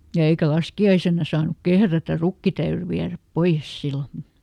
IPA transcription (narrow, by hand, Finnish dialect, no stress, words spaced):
jɑ eikæ lɑskiɑisenːɑ sɑːnˑuk kehrætær rukːi tæyry ʋiæræp poij̆es silːo